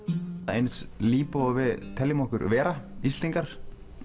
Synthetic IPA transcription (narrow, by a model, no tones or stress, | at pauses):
ḛjnt̪sliːpʏɔɣvɪðt̪ʰɛljɪmɔhkʏɾvɛːɾaisiŋkaɾ̥